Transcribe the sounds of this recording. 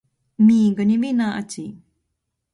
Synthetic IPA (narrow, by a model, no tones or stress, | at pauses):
miɡəniminaʔa̰t͡si